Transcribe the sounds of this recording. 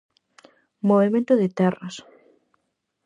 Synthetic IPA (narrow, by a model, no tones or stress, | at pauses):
moβemẽnt̪ʊðɪt̪ɛrɐs